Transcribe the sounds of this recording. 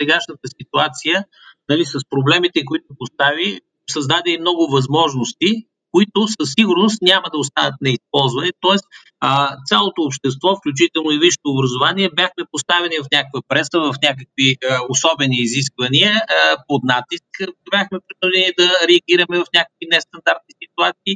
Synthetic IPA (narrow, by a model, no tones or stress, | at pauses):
sɛɡaʃnət̪əsit̪uat̪sijə | nɐlisəspɾoblɛmit̪ɛkoit̪ʊpost̪avi | sɐzd̪ad̪ɛimnɔɡʊvɐzmɔʒnost̪i | koit̪ʊsəsːiɡʊɾnost̪nʲaməd̪ɐʊst̪anət̪̚nɛispɔlˠzvɐnɛt̪ɔɛst̪ | ət̪sʲalˠot̪oːpʃt̪ɛst̪vɔfklʲut͡ʃit̪ɛlˠnoiviʃt̪oːbɾəzovaniɛbʲjaxmɛpost̪avɛnivɐfnʲak̚vəpɾɛsəvɐfnʲak̬əkviəosɔbɛniːzis̬kvɐniəpod̪nat̪iskbʲjaxmɛpɾid̪ɐʒɛniɛd̪ɐɾɛɐɡʲiɾɐmɛvɐfnʲakək̚vinɛst̪ɐnd̪aɾt̪̚nisit̪uat̪siː